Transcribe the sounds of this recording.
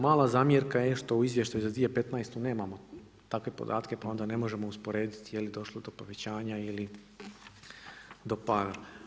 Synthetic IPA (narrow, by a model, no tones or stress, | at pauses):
maːlˠazaːmjeɾkajeʃt̪o̞uizʋje̞ʃt̪ajuzad̪ʋije̞pe̞t̪najst̪une̞ːmamo̞ | t̪akʋe̞po̞̰d̪a̰ːt̪ke̞pao̞nd̪ane̞mo̞ʒe̞mo̞uspo̞ɾe̞ːd̪it̪ijelid̪o̞ʃlˠod̪o̞po̞ʋe̞t͡ɕaːɲaili | d̪o̞paɾa